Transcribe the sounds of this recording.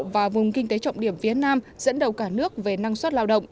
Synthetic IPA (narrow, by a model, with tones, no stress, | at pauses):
vaː˨˩vʊ˨˩ŋ͡mkï˧ŋ̟t̪e˨˦t͡ɕɔ̰˧˨wŋ͡mɗi˧˩əmfi˨˦ənaː˧m | z̥ə̰˧˥nɗə˨˩wkaː˧˩nɨ˦˥ək̚ve˨˩na˧ŋswa˦˥t̚laː˧wɗə̰˧˨wŋ͡mʔ